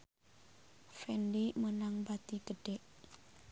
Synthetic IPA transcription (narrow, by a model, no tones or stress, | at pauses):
fɛndimənaŋbat̪iɡ̥əɖ̥ɛʔ